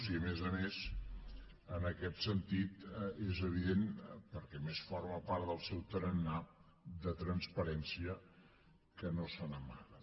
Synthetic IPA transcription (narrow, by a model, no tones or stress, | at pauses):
siəmezəmes | ənəkɛt̪sənt̪it̪ezəβ̞iðenpəɾkɛmesfɔrməpaɾt̪ðəlˠsɛwt̪ɾənːa | d̪ət̪ɾənspəɾɛnsiə | kənosənəmaðə